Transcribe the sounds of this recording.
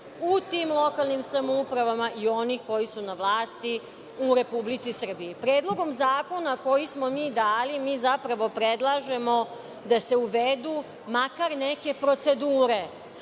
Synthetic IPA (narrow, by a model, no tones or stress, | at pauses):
ut̪iːmlˠo̞kalˠnimsamoupɾaʋamaʔio̞nixko̞jisunaʋlˠaːst̪i | uɾe̞publit̪sisr̩biipɾeːd̪lˠo̞ɡo̞mzaːko̞nako̞jismo̞miːd̪aːlimiːzapɾaʋo̞pɾed̪lˠaʒe̞mo̞ | d̪ase̞uʋed̪u | makaɾneke̞pɾo̞t̪se̞d̪uːɾe̞